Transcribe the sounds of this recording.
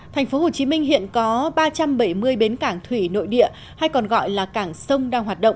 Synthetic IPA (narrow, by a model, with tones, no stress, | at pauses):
t̪ʰɛ˨˩ŋ̟fo˨˦ho˨˩t͡ɕi˨˦mï˧ŋ̟ɦḭ˧˨ənkɔ˨˦ɓaː˧t͡ɕa˧mɓə˧˩jmɨ˧əjɓe˨˦nkaː˧˩ŋt̪ʰwi˧˩no̰˧˨jɗḭ˧˨ə | ha˧jkɔ˨˩nɣɔ̰˧˨jlaː˨˩kaː˧˩ŋsə˧wŋ͡mɗaː˧ŋɦwaː˨˩t̚ɗə̰˧˨wŋ͡m